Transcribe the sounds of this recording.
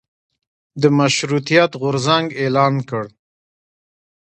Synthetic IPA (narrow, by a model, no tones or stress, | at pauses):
d̪əmaʃɾut̪ijɑt̪ɣʊɾzaŋɡelɑnkəɽ